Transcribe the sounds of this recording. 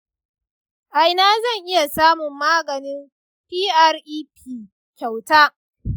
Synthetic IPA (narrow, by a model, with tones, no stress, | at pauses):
ʔa˨jnaː˦zɐ˦˨ŋʔɪ˦ja˨saː˦mʊ˨mːaː˦ɡɐ˨nɪ˦m | piː˦ʔa˦rʔiː˦piː˨ | kʲa˨wtaː˦